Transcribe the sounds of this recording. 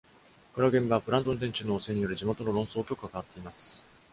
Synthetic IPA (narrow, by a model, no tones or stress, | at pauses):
koɾaɡẽ̞mbaβɸɯ̟ɾãnd̪o̞nd̪ẽ̞ɲt͡ɕɨnoːse̞ɲ̟ijo̞ɾɯ̟ʑimo̞t̪o̞no̞ɾõ̞ɰ̃so̞ːkʲokɯ̥kːakaβat̪ːeimasɨ̥